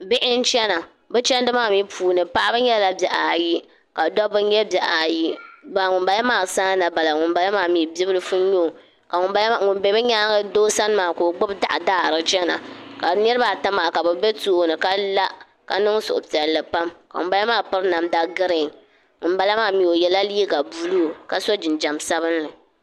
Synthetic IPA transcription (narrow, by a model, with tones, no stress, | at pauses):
bɪ˦ʔɪ˦n˦t͡ʃɛ˦na˨ | bɨ˦t͡ʃɛ˦n˦dɨ˦maː˦˨mi˦puː˨nɨ˨pa˦ʔa˦bɨ˦ɲɛ˦lla˦bjɛ˨ʔa˨ji˦ | ka˨dɔ˦bɨ˦ɲɛ˦bɛ˨ʔa˨ji˦ba˨lŋʊ˨mba˨ja˦maː˦˨saː˦na˨ba˨la˨ŋʊ˨mba˨la˦maː˨mi˨bi˦bɨ˦lɨ˦fu˦ɲo˦˨ | ka˨ŋ˨˦˨ŋʊ˨nbe˨bɨ˦ɲaː˦ɡɨ˦doː˦sa˦n˦maː˨ko˨ɡ͡bʊ˦bda̰˦ʔa˨daː˦˨ɾɨ˨t͡ʃɛ˦na˨ka˨nɛ˦ɾɨ˦ba˨ta˦maː˨ka˨bɛ˨be˦tuː˦nɨ˨ka˦la˦ | ka˨nɨ˦ŋsʊ̰˨ʔʊ˨pi˨ɛ˨lːɨ˨pa˦mka̰˨ŋʊ˨mba˦la˦maː˦˨pɨ˦ɾna˨mda˦ɡɨ˦ɾɪ˨ŋ | ŋʊ˨nba˦la˦maː˦˨mi˨o˨jɛ˨la˦liː˦ɡa˨buː˦lu˦˨ka˨so˦d͡ʒɪ˨nd͡ʒa˨msa˦βɨ˦nlɨ˨